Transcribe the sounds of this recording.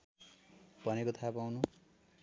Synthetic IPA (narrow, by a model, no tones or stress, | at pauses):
b̥ʱʌnekot̪ʰapawnu